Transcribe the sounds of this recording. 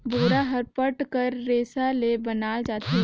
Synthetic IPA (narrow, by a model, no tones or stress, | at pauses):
bʱoːɾaɦɐɾpəʈkəɾːeːsalebɐnaːld͡ʒaːt̪i